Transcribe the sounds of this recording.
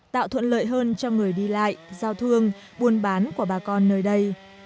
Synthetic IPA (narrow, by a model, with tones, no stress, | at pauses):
t̪a̰ː˧˨wt̪ʰwə̰˧˨nlə̰ː˧˨jɦəː˧nt͡ɕɔ˧ŋɨ˨˩əjɗi˧la̰ː˧˨jzaː˧wt̪ʰɨ˧əŋ | ɓu˧ənɓaː˨˦nku˧˩əɓaː˨˩kɔ˧nːəː˧jɗə˧j